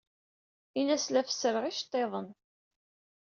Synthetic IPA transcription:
inæslæfə̥səɾʁiʃt̪ˤːeðˤən

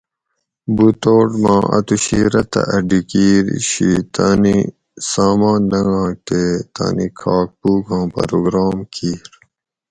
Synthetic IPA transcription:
but̪oːʈmã̰ːʔɐ̰t̪uɕiːɾɐt̪ɐ̰ʔɐɖikiːɾɕit̪ani | saːmãːnːɐŋãːt̪eːt̪a̰ːnikʰaːk̚puːɡãːpɐ̰ɾoːɡɾaːmkʰiːɾ

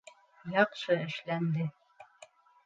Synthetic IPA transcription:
jɑqʃɤɘ̆ʃlænd̪ɘ

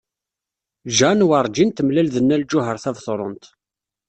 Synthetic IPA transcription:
ʒænwɑɾˤd͡ʒint̪mlælðənːæld͡ʒːʊɦəɾθævθˤɾˤo̰nt̪

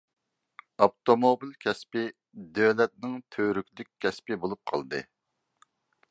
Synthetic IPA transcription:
ɑpt̪omobilkʲʰɛspɪ | d̪øwlɛt̪̚nɪŋt̪ʰøɾykʲlɪkʲʰːɛspɪbolˠup̚qʰɑ̰lˠd̪ɨ̰

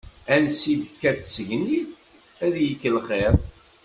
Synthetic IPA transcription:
ænsid̪əkːæθsəʝniθ | æðjəkːəlχeɾ

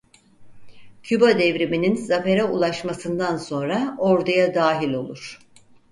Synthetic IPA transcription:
cʰybad̪ɛvɾimininzafe̞ɾɛulˠaʃmasɯnd̪anso̞nɾaoɾd̪ʰajad̪aːɦilʲo̞lˠuɾ̝̥

